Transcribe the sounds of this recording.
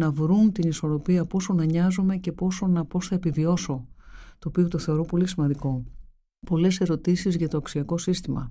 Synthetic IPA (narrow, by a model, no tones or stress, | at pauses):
nɐvɾunt̪iniso̞ɾo̞piɐpo̞so̞nɐɲɐzume̞ce̞po̞sonɐpo̞sθɐepivio̞so̞t̪o̞ːpio̞t̪oθe̞o̞ɾo̞po̞lisimɐnd̪iko̞ | po̞le̞se̞ɾo̞t̪isizʝɐt̪oɐksiɐko̞sist̪imɐ̰